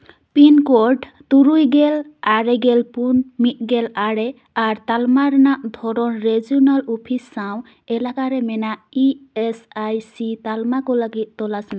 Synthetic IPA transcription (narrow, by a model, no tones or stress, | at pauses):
pinkɔɖ | t̪uɾujɡelaɾɛɡɛlpunmit̪̚ɡɛlaɽɛ | aɾt̪almaɾnaʔd̪ʱɔɾɔnɾeziɔnalɔpʰisːaw̃ | ɛlakaɾɛmɛnaiesajsit̪almakɔlaɡit̪̚t̪ɔlasn